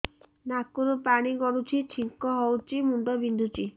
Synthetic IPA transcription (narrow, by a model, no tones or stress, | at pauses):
nakuɾɔpaɽ̃iɡɔɾut͡ʃʰit͡ʃʰiŋkɔɦɔwt͡ʃimuɳɖɔbind̪ʱut͡ʃi